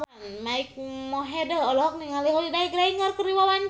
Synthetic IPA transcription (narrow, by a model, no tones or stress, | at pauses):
nmaik̚mɔɦɛdəɔlɔɦɔk̚niŋaliɦɔlidaikɾaiŋarkəɾiwawaɲ